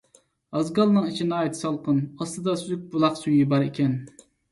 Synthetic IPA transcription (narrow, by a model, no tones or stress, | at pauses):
ɑzɡɑlˠnɨŋit͡ʃʰinɑːjit̪ʰɪ̥sɑlˠqʰənɑst̪ɨd̪ɑszyk̚ʲbulˠɑqsujibɑɾekʲɛn